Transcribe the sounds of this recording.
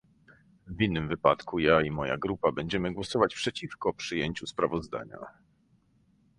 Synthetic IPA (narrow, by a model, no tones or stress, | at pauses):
vʲinːɘmvɘpat̪kujaimɔja̰ɡɾupabɛɲd͡ʑɛmɘɡwɔsɔvat͡ɕpʂɛt͡ɕifkɔpʂɘjeɲt͡ɕuspɾavɔzd̪a̰ɲa̰